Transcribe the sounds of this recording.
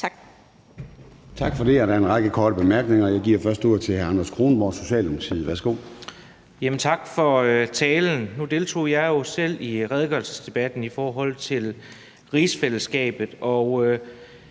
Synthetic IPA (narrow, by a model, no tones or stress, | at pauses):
t͡sʰɑ̈ɡ̥fɒ̽de̝æɾɑɐenʁɑ̈ɡ̥əkʰɒːɾəb̥e̝mæɐɡ̥ne̝ŋɐjɑ̈ɪɡ̥iɐ̰fɶɐsd̥uɐ̰t͡sʰe̝hæɐænɐskʰʁo̝ːnmɒ̰so̝ɕɛ̰ːlonsʰið̩ˠʋæɐsɡ̥o̝̰ | jemənt͡sʰɑ̈ɡ̥fɒ̽t͡sʰɛːln̩nud̥e̝lt͡sʰo̝̰ːjɑ̈ɪjo̝sel̰iʁɛð̞ˠɡ̥œlsəsd̥e̝b̥æd̥n̩ifɒːɦɒ̽l̰t͡sʰe̝l | ʁiːsfeləsɡ̥ɛ̰ːb̥ð̩ˠɒø